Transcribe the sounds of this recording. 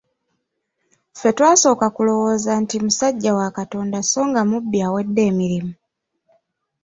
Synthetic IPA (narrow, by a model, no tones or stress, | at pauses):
fe̞twaːso̞ːkakulo̞wo̞ːzantimusaɟːawakato̞ːndaso̞ːŋɡamubːjaːwe̞dːe̞ːmiɾimu